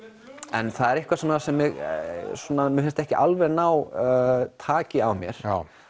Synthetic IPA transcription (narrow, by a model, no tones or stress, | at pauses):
ɛnθaðɛɾɪhkvasɔnasɛmːɪɣsɔːnamɪfɪnst̪ɛhcɪʔalvɛɾnaːw | t̪ʰaːcɪawmjɛ̰ɾ̥a